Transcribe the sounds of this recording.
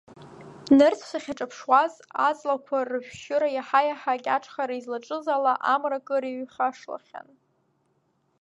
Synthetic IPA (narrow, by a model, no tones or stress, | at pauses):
nɨrt͡sʰʃʷaχʲaʈ͡ʂʼapʰʂwazat͡sʼlakʷʰarɨʒʷᶣʃʊɾajaħajaħakʲʼaʈ͡ʂʰχaɾaizlaʈ͡ʂʼɨzalaʔamrakʼɨɾiɥχaʂla̰χʲa̰n